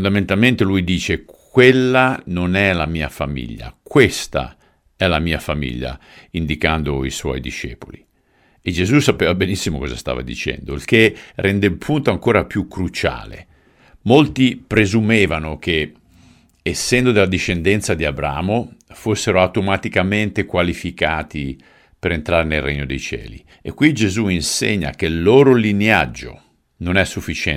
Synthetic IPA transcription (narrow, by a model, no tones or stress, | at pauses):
fnd̪ament̪alment̪elujd̪iːt͡ʃekkʰwelːanonɛlamiːafamḭʎːa̰kwest̪a̰ | ɛlamiːafamḭʎːa̰ind̪ikand̪oiswɔ̰jd̪iʃɛ̰ːpoli | ed͡ʒezusapeːvabenisːimo̰kɔza̰st̪a̰ːva̰d̪ḭt͡ʃɛ̰nd̪oilkerɛnd̪elpʰunt̪oaŋkoːɾapjukːɾut͡ʃa̰ːlḛ | molt̪ipɾezumeːvanok̟eː | sːɛnd̪od̪elːad̪iʃːend̪ɛnt̪sad̪iabɾa̰ːmofosːeɾoawt̪omat̪ikament̪ekwalifikaːt̪i | peɾent̪ɾaːɾenelreɲːod̪ejt͡ʃɛ̰ːlḭ | ḛkːwid͡ʒezuinsḛɲːa̰k̟elːoːɾolinea̰d͡ʒːo̰ | nonɛsːufːit͡ʃɛ